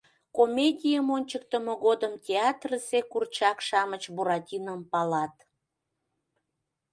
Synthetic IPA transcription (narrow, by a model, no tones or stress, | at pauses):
komʲedʲijəmonʲt͡ɕək̚t̪əmoɣod̪əmtʲeɑt̪rəsekurt͡ɕɑkʃɑmət͡ɕbuɾɑtʲinəmpɑlɑt̪